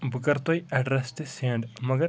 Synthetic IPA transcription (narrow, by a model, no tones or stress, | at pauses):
bukɐrt̪ojɐɖrɐstɨseːɳɖmɐɡɐ